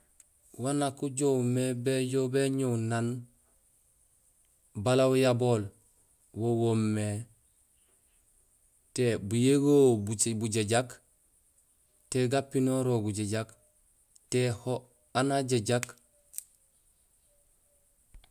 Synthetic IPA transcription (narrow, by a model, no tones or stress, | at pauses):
wanakuɟomebeɟobeɲownan | balawjaboːl | wowomːe | tebujeɡoːbubuɟeɟak | teɡapːinoɾoɡuɟeɟak | teho | anaɟeɟak